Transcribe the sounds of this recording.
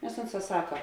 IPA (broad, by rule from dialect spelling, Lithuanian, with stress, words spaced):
nʲɛs ˈʊnˌsɑː ˈsɑːkɐ